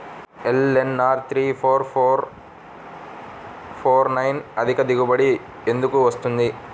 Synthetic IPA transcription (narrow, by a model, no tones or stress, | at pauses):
elenːaːɾt̪ɾiːfʰoːɾfoːɾ | pʰoːɾnɐjnɐd̪ʱikɐd̪iɡubɐɽi | end̪ukːuʋɐst̪und̪i